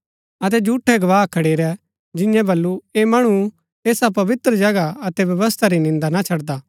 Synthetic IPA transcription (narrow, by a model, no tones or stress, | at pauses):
ɐt̪̬ɛd͡ʒuːʈʰɛɡɐʋaːɦkʰɐɽeːɾɛ | d͡ʒɪ̃jɛ̃bɐlːuemɐɽ̃u | eːsapɐʋɪt̪ɾəd͡ʒɐɡaɐt̪ɛʋjɐʋəst̪ʰaɾinɪ̃nd̪anat͡ʃʰɐɽd̪aː